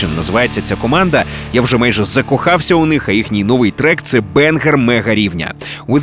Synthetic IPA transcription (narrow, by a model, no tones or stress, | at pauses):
ɪnːɐzɪʋɑjet͡sʲːɐt͡sʲakɔmɑnd̪ɐjawʐɛmɑjʒɛzɐkɔxɑwsʲɐʊnɪxɐjixnʲijnɔʋɪjt̪ɾɛkt̪sɛbɛnɣɛrmɛɣɐɾʲiwnʲɐ̰ʋɪ